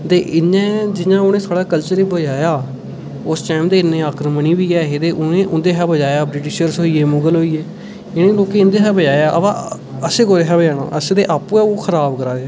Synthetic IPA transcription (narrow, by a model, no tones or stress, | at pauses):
t̪eːʔɪnːẽːd͡ʒɪɲãːʊnẽːsaːɽaːkəlt͡ʃəɾiːbəd͡ʒaːjaː | ʊsʈaːmd̪eːɪnẽːaːkɾməniːbiːɛːɦeːd̪eːʔʊnẽːʔʊnd̪eːɦɛːbəd͡ʒaːjaːbɾɪʈɪʃəɾsɦoːiːeːmʊɡəlɦoːiːeː | ɪnẽːloːkeːɪ̃nd̪eːɦɛːbəd͡ʒaːjaːʔə̰bã | əseːkoːɾeːɦɛːbəd͡ʒaːna̰ːʔəsːd̪eːʔaːpuːɛːoːkʰəɾaːbkəɾaːd̪eː